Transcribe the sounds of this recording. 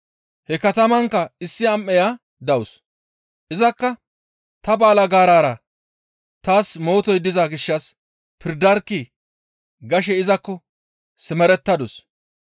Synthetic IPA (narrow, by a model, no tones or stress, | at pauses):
hɛkɐt̪ɐmɐŋkːɐɪsːɪɐmːɛja | d̪ɐwʊs | ʔɪzɐkːɐ | t̪ɐbaːlɐɡaːɾaːɾɐ | t̪aːsmo̞ːt̪ɔjd̪ɪzaɡɪʃːɐs | pʰɪɾd̪ɐɾki | ɡɐʃ̬ɛɪzɐkːɔ | sɪmɛɾɛt̪ːɐd̪ʊs